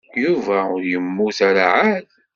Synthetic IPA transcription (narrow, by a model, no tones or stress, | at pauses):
juvæʊɾjəmːuθaɾaʕað